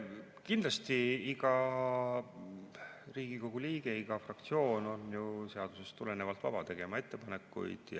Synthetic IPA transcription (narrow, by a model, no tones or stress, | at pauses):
kind̪lɑst̪iiɡɑ | riːɡ̥iko̞ɡ̥uliːɡ̥e̞iɡ̥ɑfrɑk̚t̪sio̞ːno̞njuse̞ɑd̪̥use̞st̪ule̞ne̞vɑlt̪ːˑvɑ̰b̥ɑt̪e̞ɡ̥e̞mɑe̞t̪ˑːe̞pɑne̞kːˑṵjd̪̥j